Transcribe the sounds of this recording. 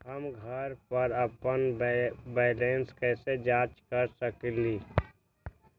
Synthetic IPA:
ɦəmɡʱəɾpəɾəpənbɛːlẽːnskɛːsed͡ʒaːt͡ʃkəɾsəkliː

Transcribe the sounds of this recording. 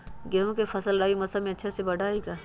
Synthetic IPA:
ɡeːõkefɐsəlɾaːimɐsamẽɐtːʃʰasebɐɽʱaːiɡaː

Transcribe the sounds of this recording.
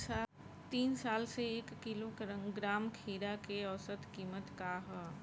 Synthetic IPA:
a | t̪iːnsaːlseeːkːilokɡɾaːmkʰiːɾakeɔːsət̪kiːmət̪kaɦɛː

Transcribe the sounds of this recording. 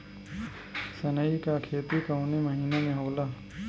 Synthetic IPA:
sənəikakʰeːt̪ikəwniməɦinamẽɦoːla

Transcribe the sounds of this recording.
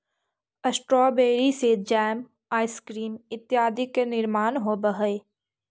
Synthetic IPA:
ɐsʈɾɔːbeːɾised͡ʒɛːm | aːɪskɾiːmɪt̪jaːd̪ʱɪkːenɪɾmaːnɦobəɦəe

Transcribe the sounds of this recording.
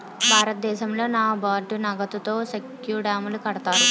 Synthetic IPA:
bʱaːɾɐt̪̚d̪ɛːʃɐmlo̞ːnaːbaːɖunɐɡɐt̪ut̪o̞ːsek | juːɖaːmulukɐɽɐt̪aːɾu

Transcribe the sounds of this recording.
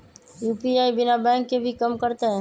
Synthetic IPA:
juːpiaːibɪnabɛ̃ːŋkːebʱikəmkəɾt̪eɦɛ̃ː

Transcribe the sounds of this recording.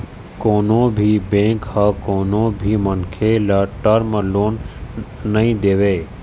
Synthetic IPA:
koːnõbʱibẽːŋkhakoːnõbʱimənkʰelaʈəɾməloːnː | əɦĩd̪eːʋeː

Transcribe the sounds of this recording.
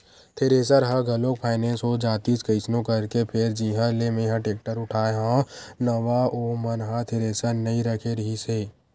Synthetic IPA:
t̪ʰeɾeːs̬əɾɦɐɡʱɐlõkpʰaːɪnɛ̃ːnsod͡ʒaːt̪iskɐɪsnõkɐɾkepʰɪɾd͡ʒiɦə̃lemẽːɦãʈeːk̚ʈəɾʊʈʰaːeɦãnɐʋaoːmɐnɦat̪ʰeɾeːsəɾnɐɦĩɾɐkʰeɾɐɦiseː

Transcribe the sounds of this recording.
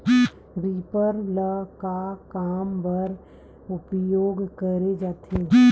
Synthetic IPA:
ɾiːpəɾləkakaːmbəɾ | ʊpjoːɡkəɾed͡ʒaːt̪ʰe

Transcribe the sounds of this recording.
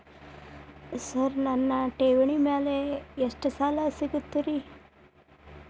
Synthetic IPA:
sɐɾnɐnːɐʈeːʋɐɳimeːleeʂʈɐsaːlasiɡut̪ːiɾi

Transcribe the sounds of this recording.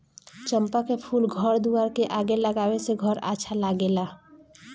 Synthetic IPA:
t͡ʃəmpakepʰulɡʱəɾd̪uaɾkeʔaɡeləɡaweseɡʱəɾa̰t͡ʃʰalaɡela

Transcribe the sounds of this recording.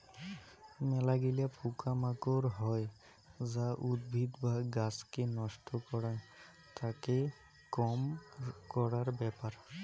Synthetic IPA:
mɛlaɡilapʰukamakɔɹɦɔj | zaʔud̪̚bʱid̪baɡaskenɔstʰɔkɔɹaj | t̪ake | kɔmkɔɹaɹbɛpaɹ

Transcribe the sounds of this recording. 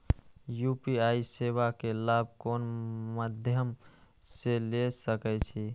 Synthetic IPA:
jupiaːisewakelab̚ʱkoːnməd̪ʱjəmselesəkɛt͡ʃʰi

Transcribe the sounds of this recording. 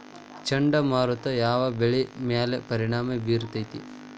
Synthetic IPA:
t͡ʃɐɳɖɐmaːɾut̪ɐjaːʋɐbeɭimjaːlepɐɾiɳ̃aːmebiːɾt̪ɐjt̪i

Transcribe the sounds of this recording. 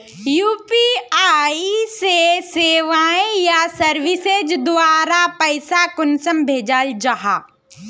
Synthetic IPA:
juːpiaːiseseːʋaːẽjasɐɾʋɪsed͡ʒd̪ʋaːɾapəɪsakʊnsəmbʱeːd͡ʒaːld͡ʒaɦaː

